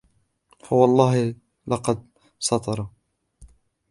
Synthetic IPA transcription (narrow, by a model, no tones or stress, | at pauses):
fawɑlˤːɑːɦɪ | lɑqɑd̪̚ | sɑt̪ˤɑɾˤɑ